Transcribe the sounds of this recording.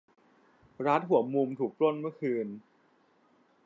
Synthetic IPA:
ɾaː˦˥t̪̚ɦu˨˩˦mu˧mt̪ʰuː˨˩k̚lo˥˩nmɯ˥˩əkʰɯː˧n

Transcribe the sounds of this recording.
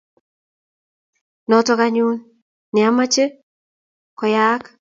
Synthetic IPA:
nɔtɔ˦ka˦ɲu˦n | nɪ˨a˦ma˦t͡ʃe˦ | kɔ˨ja˦k

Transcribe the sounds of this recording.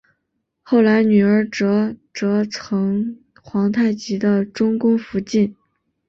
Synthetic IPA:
xo˥˩ʊla˧˥ɪny˨˩ə˞˧˥ʈ͡ʂɤ˧˥ʈ͡ʂɤ˧˥t͡sʰɤ˧˥ŋ | xwɑ˧˥ŋt̪ʰa˥˩ɪt͡ɕi˧˥d̪ə˧ʈ͡ʂʊ˥ŋkʊ˥ŋfu˧˥t͡ɕi˥˩n

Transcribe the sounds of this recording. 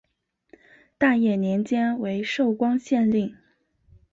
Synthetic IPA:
t̪a˥˧jɛ˥˩njɛ˧˥nt͡ɕjɛ˥nwe˧˥ɪʂo˥˩ʊkwɑ˥ŋɕjɛ˥˧nli˥˩ŋ

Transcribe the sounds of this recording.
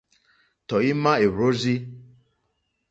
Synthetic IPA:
tɔ˨i˦ma˦e˨ɾo˦zi˦

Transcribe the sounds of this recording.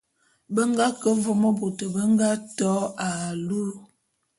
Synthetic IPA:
bə˦ŋɡa˦kə˦ɱvo˦mə˦bo˨tə˨bə˦ŋɡa˦tɔ˨˦a˨lu˦ɾ

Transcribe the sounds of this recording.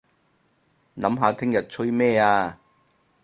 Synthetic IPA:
nɐ˨˥mɦaː˨˧t̪ʰɪ˥ŋjɐ˨t̚t͡sʰɵ˥jmɛː˥˧aː˧

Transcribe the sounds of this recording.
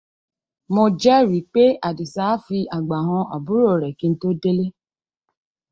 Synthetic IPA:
mɔ̃˧d͡ʒɛ˦ɾi˨˦k͡pe˦a˨di˨sa˦fi˧a˨ɡ͡ba˨ɦɔ̃˧a˨bu˦ɾo˦˨ɾɛ˨ki˨˧n̩˦to˦de˦le˦

